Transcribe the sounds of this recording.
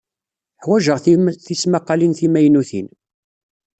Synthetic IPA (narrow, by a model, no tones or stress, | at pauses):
ħwæʒəʁθiθismaqːɑlinθimæjnuθḭn